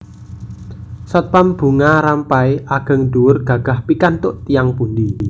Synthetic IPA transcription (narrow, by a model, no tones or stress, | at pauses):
sɔt̪̚pamb̥ṳŋaɾampaeʔaɡ̥ə̤ŋd̪uwʊrɡ̥a̤ɡ̥a̤hpikant̪ʊʔt̪ijaŋpund̪i